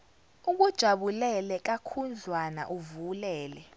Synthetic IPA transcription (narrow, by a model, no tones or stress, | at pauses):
uk̬ʼud̥ʒ̥ʱaɓulɛlɛk̬akʰund͡zʱwana̰ʔuvulɛːlɛ